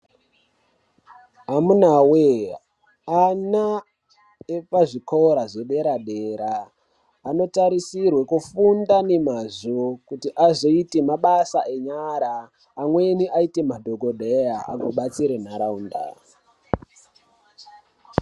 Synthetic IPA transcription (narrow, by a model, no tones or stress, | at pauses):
amunawe | ana | epaʐikʰo̞ɾaʐe̞ɓe̞ɾaɗeɾaː | no̞taɾisirwe̞kufundane̞mazokutiʔazo̞ite̞maɓasaʔe̞ɲaɾaː | mwe̞niʔaite̞madʱo̞ɡʱo̞ɗʱejaa̰ɡʱoɓat͡siɾen̤aɾauːnda̰